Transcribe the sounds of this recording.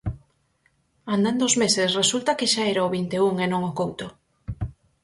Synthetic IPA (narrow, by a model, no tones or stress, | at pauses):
and̪and̪oʊzmesesresult̪akeʃaeɾaoβint̪euŋenõŋokowt̪o